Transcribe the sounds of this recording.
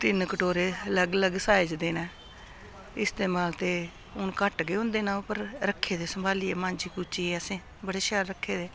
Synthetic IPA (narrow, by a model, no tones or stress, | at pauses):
t̪ɪnkəʈoːɾeːələɡələɡsaːɪd͡ʒd̪eːnɛ̃ː | ɪst̪eːmaːlt̪eː | ʊnkəʈɡeːʊ̃nd̪eːnaːpəɾɾəkʰːeːd̪eːsəmbʱaːliːeːmãːnd͡ʒiːkuːt͡ʃiːeəsẽː | bəɽeːʃɛːlɾəkʰːeːd̪eː